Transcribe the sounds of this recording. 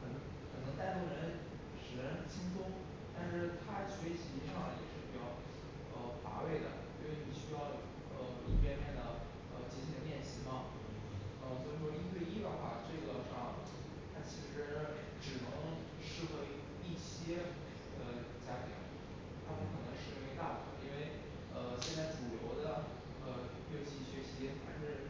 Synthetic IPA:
xə˨˩n˧˥ŋxə˨˩nɤ˧˥ŋt̪a˥˧ɪt̪o˥˩ɻə˧˥n | ʂɻ̩˨˩ə˧˥n˥˩t͡ɕʰi˥ŋsʰʊ˥ŋ | t̪a˥˧nʂɻ̩˥˩t̪ʰa˥t͡ɕʰɥɛ˧˥˩t͡ɕʰt͡ɕi˥ʂɑ˥˩ŋ˨jɛ̰˨˩ʂɻ̩˥˩pi˨˩t͡ɕjɑ˥˩ʊ | ə˧ʊfa̰˧˥we˥˩ɪd̪ə̰˩i˥n˧we˥˩ɪ˩ni˨˩ɕy˥jɑ˥˩ʊ | ə˧˩lə˧˥pjɛ˥nmjɛ˥˩nd̪ə˩ | ə˧t͡ɕɛ˧˥t͡ɕʰi˥˧˥ljɛ˥˩nɕi˥mɐ˧ | ə˧nʰ˧˥ɔ˧˩˧i˥nt̪we˥˧ɪi˥d̪ə˨˩xwa̰˥˩ʈ͡ʂwe˥˩ɡə˧˩ʈ͡ʂɤ˥˩˥ | t̪ʰa˥t͡ɕʰi˧˥ʂɻ̩˧˥ | ʈ͡ʂɻ̩˨˩nɤ˧˥ŋ | ʂɻ̩˥˧xwe˥˧ɪ | i˥˩ɕjɛ˥ | ə˧˩ | t͡ɕja˥t̪ʰjɛ̰˧˥ŋ | t̪ʰa˥pu˥˩kʰɤ˨˩nɤ˧˥ŋʂɻ̩˧e˥˧˥we˥˧ɪt̪a˥˩pu˩ə̰˨˩˦i˥nwe˥˩ɪ | ə˧ɕjɛ˥˧nt͡sa˥˩ɪʈ͡ʂu˨˩jo˧˥ʊd̪ə˧ | ə˧˥˩ | t͡ɕi˧˥ɕɥɛ˧˥ɕi˧˥t̪ʰa˥˧ʂɻ̩˥˩

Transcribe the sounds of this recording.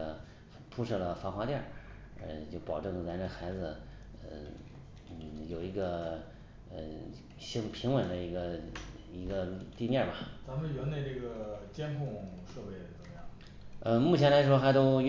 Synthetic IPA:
ə˧ | pʰu˥ʂɤ˥˩lə˩fɑ˧˥ŋxwa˧˥t̪jɑ˥˩ | ə̰˧t͡ɕjo˥˩ʊpɑ˨˩ʊʈ͡ʂɤ˥˩ŋla˧˥nʈ͡ʂə˥˩xa˧˥ɪd͡zɹ̩˧ə˧ | n̩˥˩jo˨˩ʊi˧˥ɡə˧ | ə˩ | ɕi˥ŋpʰi˧˥ŋwə˨˩nd̪ə˦i˧˥ɡə˧ | i˧˥ɡə˧t̪i˥˧njɛ˥˩bɐ˩t͡sa˧˥mə˨˧nɥɛ˧˥nne˥˧ɪʈ͡ʂɤ˥˩ɡə˩t͡ɕjɛ˥nkʰʊ˥˧ŋʂɤ˥˧pe˥˩ɪdə˩t͡sə˧˥˦ŋjɑ˥˩ŋ | ə˧mu˥˩t͡ɕʰjɛ˧˥nla˧˥ɪʂ̬wɔ˥xa˧˥ɪt̪o˥ʊ

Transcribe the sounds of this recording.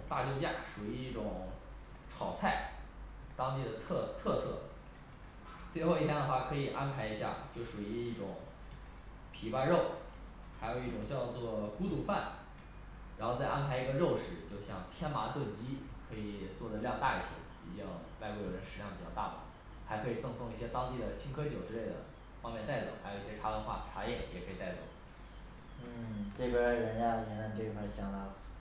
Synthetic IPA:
t̪a̰˥˧jo˥˧ʊt͡ɕja̰˥˩ʂu˨˩i˧˥i˥˩ʈ͡ʂʊ˨˩ŋ | ʈ͡ʂʰɑ˨˩ʊt͡sʰa˥˩ɪt̪ɑ˥ŋt̪i˥˩d̪ə˩t̪ʰt̪ʰɤ˥˧sʰɤ̰˥˩ | t͡swe˥˧ɪxo˥˧ʊi˥˩t̪ʰjɛ˥nə˧xwa˥˩kʰɤ˧˥i˨˩ʔa˥npʰa˧˥ɪi˧˥ɕja̰˥˧t͡ɕjo˥˩ʊʂu˨˩i˧˥i˥˩ʈ͡ʂʊ˨˩˦ŋ | pʰi˨˩pa˥˧ɻo˥˩ʊ | xa˧˥ɪjo˨˩ʊi˥˩ʈ͡ʂʊ˨˩ŋt͡ɕjɑ˥˧ʊt͡swɔ˥˩ku˥t̪u˨˩fa̰˥˩n | ɻa˧˥nxo˥˧ʊt͡sa˥˩ɪʔa˥npʰa˧˥ɪi˧˥ɡə˧ɻo˥˧ʊʂɻ̩˥˩t͡ɕjo˥˧ʊɕjɑ̰˥˧˩ŋt̪ʰjɛ˥nma˧˥t̪we˥˩ɪt͡ɕi˥kʰɤ˧˥i˨˩t͡swɔ˥˩d̪ə˩ljɑ˥˧ŋt̪a̰˥˧˩i˨˩t͡ɕʰo̰˧˥ | ḭ˧˨˩t͡ɕɑ˥˧˩ŋwa˥˧ɪkwjɻə˧˥nʂɻ̩˧˥jɑ˥˩ŋpi˨˩t͡ɕjɑ˥˧t̪a̰˥˩pa̰˨˩˦ | xa˧˥ɪkʰɤ˧˥i˨˩t͡sɤ˥˧ŋsʊ˥˧ŋi˥˩ɕjɛ˥t̪ɑ˥ŋt̪i˥˩d̪ə˩t͡ɕʰi˥ŋkʰɤ˥t͡ɕjo˨˩ʊʈ͡ʂɻ̩˥le˥˩ɪd̪ə̰˩ | fɑ˥ŋmjɛ˥˧nt̪a˥˩ɪt͡so̰˨˩˦ʊxa˧˥jʊi˥˩ɕjɛ˥ʈ͡ʂʰa˧˥lə˧˥nxwa̰˥˩ʈ͡ʂʰa˧˥jɛ˥˩jʔɛ̰˨˩kʰɤ˧˥i˨˩t̪a˥˩ɪt͡so̰˨˩˦ʊ | n̩˥˩ʈ͡ʂɤ˥˩ɡə˩ɻə˧˥nt͡ɕja˥˨˩njɛ˧˥na˥˧nʈ͡ʂɤ˥˩ɡə˧xwa˥˩ɕjɑ˧˥˩ŋt̪a˥

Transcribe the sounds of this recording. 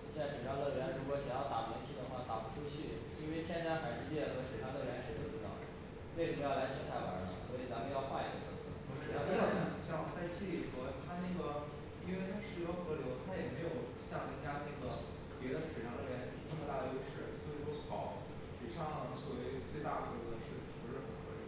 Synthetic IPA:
ɕɛ˥˩ʂɻ̩˨˩ɑ˥ŋlɤ˥˩ɻɛ˧˥nɻu˧˥kwɔ˨˩ɕjɛ˧˩jɑ˥˩ʊt̪a˥˩pɛ˧˥t͡ɕʰi˥˩d̪ə˧˩xwa˥˩t̪a̰˨˩pu˥ʈ͡ʂʰu˥t͡ɕʰy˥˩ | i˥nwe˥˧ɪt̪ʰjɛ˥nt͡ɕja˥xa˨˩nʂɻ̩˥t͡ɕjɛ˥˩xɤ˧˥ʂɻ̩˨˩ʂɑ˥˧ŋlɤ˥˧˩ɻjɛ˧˥nʂɻ̩˧˩t̪o˥˩ʈ͡ʂ̩̪˧˥˩o̰˥˩ | we˥˩ʂə˧˥mə˧jɑ˥˩la˧˥ɪʂʰi˧˨˩t̪ʰa˥˩ɪwa̰˧˥ḭ˧˩ŋswɔ˧˥i˨˩t͡s̪a˥˩pu˥˧˥jɑ˥˧ʊxwa˥˩ḭ˧˥ɡə˧˩ə̰˧˥s̩ʰ˧˥ɔ˧˩˥ɑ˥˩e˥˩˥ɕjɑ˥˧ŋt͡sa˥˧ɪt͡ɕʰi˥˩i˥˩xɤ˧˥t̪ʰa˥na˥˩ɡə˩ | i˥nwe˥˩ɪt̪ʰa˥ʂɻ̩˧˥jə˧˥xɤ˧˥ljo˧˥ʊt̪ʰa˥jɛ˨˩me˧˥ɪjo˨˩ʊ | ɕjɑ˥˩ŋi˥˩t͡ɕja˥na˥˩ɡə˩ | pjɛ˧˥d̪ə˧ʂ̩˨˩ʂɑ˥˩ŋlə˥˩jɛ˧˥nʂ̩˧˩˧nə˥˩mə˧˩a˥˩d̪ə˩˧˥ɡə˧ʂɻ̩˥˩swo˧˥i˥˩o˥ʊ˥˩xɑ˨˩˦ʊ | ʂ̩˨˩ʂɑ˥˩ŋ˩t͡swɔ˥˩we˧˥ɪt͡swe˥˧ɪt̪a˥˩d̪ə˩ə˧˥d̪ə˧ʂɻ̩˥˩˨pʂɻ̩˥˩xə˨˩nxwe˥˩

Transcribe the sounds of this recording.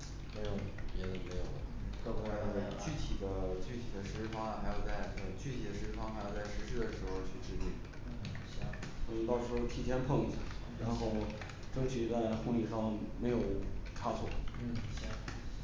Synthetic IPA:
me˧˥ɪjo˨˩ʊpjɛ˧˥ə˨˩me˧˥ɪjo˨˩ʊd̪ə̰˦˥t̪a˥˩pa˥˧˩dt͡ɕy˥˩t̪ʰi˨˩d̪ə˦t͡ɕy˥˩t̪ʰi˨˩d̪ə˦ʂɻ̩˧˥fɑ˥ŋ˨xa˧˥ɪjo˨˩ʊt͡sa˥˩ɪ˥˧˩t͡ɕy˥˩t̪ʰi˨˩d̪ə˦ʂɻ̩˧˥ɻ̩˥˩fɑ˥ŋxa˧˥jt͡sa˥˩ɪʂɻ̩˧˥ɕy˥˩ə˩ʂɻ̩˧˥xo˧ʊt͡ɕʰy˥˧ʈ͡ʂɻ̩˥t̪i˥˩n˥˩ | sni˨˩t̪ɑ˥˩ʊʂɻ̩˧˥xo˥˧˩t̪ʰi˧˥˩t̪ʰjɛ˥npʰɤ˥˧ŋi˧˥ɕja̰˥˩ɻa˧˥nxo˥˧ʊ | ʈ͡ʂɤ˥ŋt͡ɕʰy˨˩t͡sa˥˧˩ɪxo˥˧ŋli˥˩ʂɑ˥˩ŋme˧˥ɪjo˨˩ʊʈ͡ʂʰa˥t͡sʰɔ˥˩˥

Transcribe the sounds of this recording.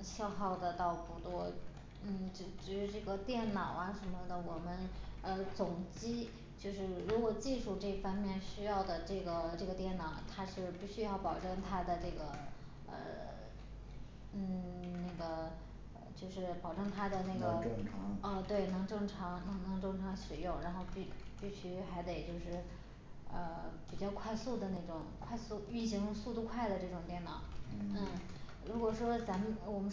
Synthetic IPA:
ɕjɑ˥˧ʊxɑ˥˩ʊd̪ə˩t̪ɑ˥˩ʊpu˧˥t̪wɔ˥ | n̩˥˩ʈ͡ʂ̩˧˩ʈ͡ʂɻ̩˧˥ʂɻ̩˥˧ʈ͡ʂɤ˥˩ɡə˩t̪jɛ˥˩nnɑ˨˩˦ʊa˥˩ʂə˧˥nmə˧d̪ə˩wɔ˨˩mə˦nə˧t͡sʊ˨˩ŋt͡ɕi˥ | t͡ɕjo˥˧ʊʂɻ̩˥˩ɻu˧˥kwɔ˨˩t͡ɕi˥˧ʂu˥˧ʈ͡ʂɤ˥˩fɑ˥ŋmjɛ˥˩nɕy˥jɑ˥˩ʊd̪ə˩ʈ͡ʂɤ˥˩ɡə˩ʈ͡ʂɤ˥˩ɡə˩t̪jɛ˥˩nnɑ˨˩ʊt̪ʰa˥t͡ɕjo˥˧ʊʂɻ̩˧pi˥˩ɕy˥jɑ˥˩ʊpɑ˨˩ʊʈ͡ʂɤ˥˩ŋt̪ʰa˥d̪ə˨ʈ͡ʂɤ˥˩ɡə˩ | ə̰˧˩ | n̩˥˩na˥˩ɪɡə˩˧ | t͡ɕjo˥˧ʊʂɻ̩˥˩pɑ˨˩ʊʈ͡ʂɤ˥˩ŋt̪ʰa˥d̪ə˨na˥˩ɡə˩ʈ͡ʂɤ˥˩ŋʈ͡ʂʰɑ˧˥ŋə˥˧t̪we˥˩ɪnɤ˧˥ŋʈ͡ʂɤ˥˩ŋʈ͡ʂʰɑ˧˥ŋnɤ˧˥ŋnɤ˧˥ŋʈ͡ʂɤ˥˩ŋʈ͡ʂʰɑ˧˥ŋɕi˨˩jʊ˥˩ŋɻa˧˥nxo˥˧ʊpi˥˧pi˥˩ɕy˧˥xa˧˥ɪt̪e˨˩ɪt͡ɕjo˥˧ʊʂɻ̩˥˩ | ə˧pi˨˩t͡ɕjɑ˥˧ʊkʰwa˥˧ɪsu˥˩d̪ə˩na˥˩ɪʈ͡ʂʊ˨˩˦ŋkʰwa˥˧ɪsu˥˧y˥˩ɕi˧˥ŋ˥˧su˥˧t̪u˥˧kʰwa˥˩ɪd̪ə˩ʈ͡ʂɤ˥˩ʈ͡ʂʊ˨˩ŋt̪jɛ˥˩nɑ˨˩˦n̩˥˩ | ɻu˧˥kwɔ˨˩ʂwɔ˥t͡sa˧˥m˧wɔ˨˩mə˦

